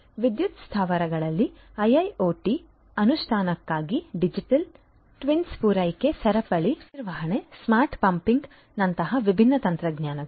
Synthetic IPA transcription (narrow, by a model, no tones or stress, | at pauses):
ʋid̪jut̪st̪ʰaːʋɐɾɐɡɐɭɐlːi | ɐjɐjoːʈi | ɐnuʃʈʰaːnɐkːaːɡiɖid͡ʒiʈɐl | ʈʋinspuːɾɐjke̞sɐɾɐpɐɭiniɾʋɐɦɐɳesmaːɾʈpɐmpiŋɡ | nɐnt̪ɐɦɐʋibʱinːɐt̪ɐnt̪ɾɐɡɲjaːnɐ